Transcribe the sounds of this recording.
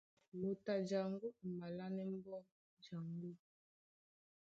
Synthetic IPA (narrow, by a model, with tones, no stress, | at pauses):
mo˨ta˨d͡ʒa˨ŋɡo˦˨ma˨la˦nɛ˦m˦bɔ˦ | d͡ʒa˨ŋɡo˦